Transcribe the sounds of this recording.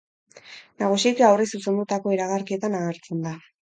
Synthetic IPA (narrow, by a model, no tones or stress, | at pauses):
naɣ̞usit͡seawrisuse̞nd̪ut̪ako̞iɾaɣaɾkie̞t̪anaɣeɾt͡se̞nd̪a